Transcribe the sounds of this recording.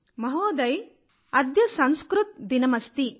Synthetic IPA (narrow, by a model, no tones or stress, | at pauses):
mɐɦoːd̪ɐj | ɐd̪jɐsɐnskɾut̪̚d̪inɐmɐst̪i